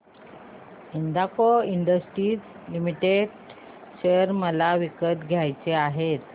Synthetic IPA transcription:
ind̪akoiɳɖəsʈɾiːd͡z | limiʈeɖ | ɕejəɾməlaʋikət̪ɡʱjajt͡seaɦet̪

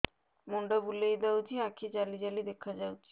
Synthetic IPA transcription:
moɳɖabulejd̪awd͡ʑʱiakʰid͡ʑalid͡ʑalid̪ekʰad͡ʑawt͡ɕʰi̥

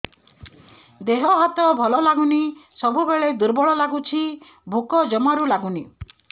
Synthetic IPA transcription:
d̪eɦɔɦat̪ɔbʱɔlɔlaɡunisɔbubeɭed̪uɾbɔɭɔlaɡut͡ʃʰi | bʱukɔd͡ʒɔmaɾulaɡuni

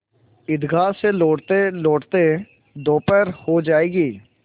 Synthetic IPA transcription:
ɪd̪ɡʱaːseloːɽt̪eloːʈt̪e | d̪oːpəɾhod͡ʒaːeːɡiː

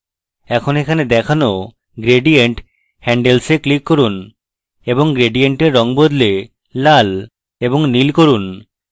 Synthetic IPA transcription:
ɛkʰonekʰaned̪ɛkʰano | ɡɾeɖieɳʈ | hɛɳɖelseklikːoɾun | eboŋɡɾeɖieɳʈeɾːɔŋbod̪le | lal | eboŋnilkoɾun

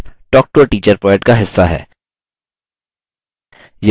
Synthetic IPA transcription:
ʈɔːk̚ʈoːʈiːt͡ʃəɾpɔːɪʈkaɦɪsːaɦɛ̰ː | j

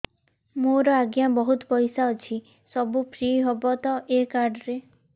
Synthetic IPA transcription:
moɾɔaɡjabɔɦut̪ɔpɔjsaɔt͡ʃʰi | sɔbupʰɾiɦɔbɔt̪ɔʔekaɾɖɾe

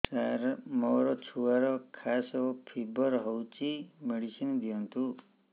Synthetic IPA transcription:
saɾmɔɾɔt͡ʃʰuaɾɔkʰasɔpʰibɔɾɦɔwt͡ʃimeɽisind̪ijɔnt̪u

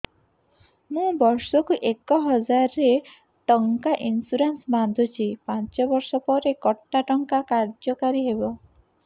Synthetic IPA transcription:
mũbɔɾsɔkuʔekɔɦɔd͡ʒaɾːe | ʈɔŋkaʔinsuɾensband̪ʱut͡ʃʰipãnt͡ʃɔbɔɾsɔpɔɾekɔʈːaʈɔŋkakaɾd͡ʒɔkaɾiɦebɔ

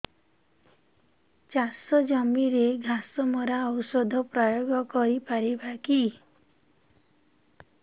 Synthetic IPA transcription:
t͡ʃasɔd͡ʒɔmiɾeɡʱasɔmɔɾaɔwsɔd̪ʱɔpɾɔjoɡɔkɔɾipaɾibaki

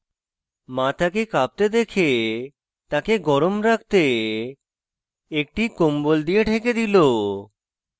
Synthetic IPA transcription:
mãt̪ʰakekap̚t̪ed̪ekʰe | t̪akeɡɔɾomɾakʰt̪e | ek̚ʈikombold̪ijeʈʰeked̪ilo

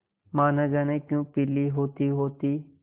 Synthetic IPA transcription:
maːnãːd͡ʒaːnẽːkjũːpiːliːɦoːt̪iɦoːt̪iː

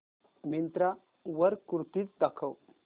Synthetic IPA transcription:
mint̪ɾa | ʋəɾkuɾt̪iːt͡sd̪akʰəw

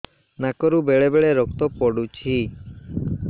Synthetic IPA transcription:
nakɔɾubeɭebeɭeɾɔk̚t̪ɔpɔɽut͡ʃʰi

